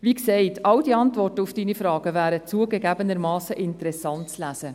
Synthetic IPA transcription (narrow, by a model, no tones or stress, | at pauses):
ʋiksɛɪtʰɑldiɑntʋɔrtəufd̥iːnifɾɑːɡ̥əvæːɾət͡suəɡəɡæːbənəɾmɑːsːəʔɪntəɾɛsɑnt̚t͡slæsə